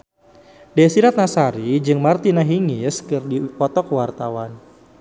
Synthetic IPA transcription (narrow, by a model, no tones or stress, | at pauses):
dɛsiɾat̪̚nasaɾid͡ʒɨŋmart̪inaɦiŋiskɨrdipɔt̪ɔkwart̪awan